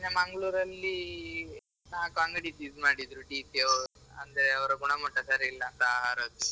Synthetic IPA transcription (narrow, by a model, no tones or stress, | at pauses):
namaŋɡɭuːɾɐlːiː | nãkaŋɡɽid̪id̪maɽid̪ɾuʈit̪jeɐ̰nd̪ɾeɐwɾəɡuɽ̃amoʈʰjasaɾilːaːnt̪aːɦaɾət͡s̪